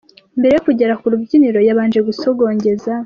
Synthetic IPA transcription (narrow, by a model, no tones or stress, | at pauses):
mbeɾe̞jokuɟe̞ɾakuɾubɟiniɾo̞jaβaːnd͡ʒe̞ɡusoɡo̞ːɲɟe̞za